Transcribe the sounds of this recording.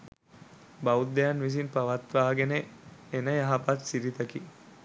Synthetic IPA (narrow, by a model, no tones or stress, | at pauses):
baud̪ːejanʋis̬inpaʋat̪ʋaːɡeneenəjaɦapat̪siɾit̪əki